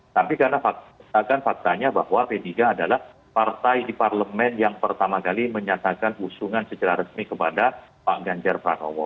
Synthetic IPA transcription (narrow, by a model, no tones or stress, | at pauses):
t̪apikarnafak̪akanfak̚t̪aɲaba̰hwapediɡaːdalah | part̪ajdiparləmɛnjaŋpərt̪amakaliməɲat̪akanusuŋansət͡ʃəɾaɾəsmikəpadapaʔɡaɲd͡ʒarpɾa̰kɔ̰wɔ̰